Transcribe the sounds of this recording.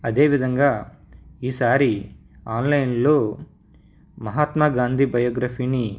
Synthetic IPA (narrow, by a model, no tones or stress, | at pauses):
ɐd̪e̞ːʋid̪ʱɐŋɡaː | iːsaːɾi | aːnlɐjnloː | mɐɦaːt̪maɡaːnd̪ʱibɐjɔːɡɾaːpʰini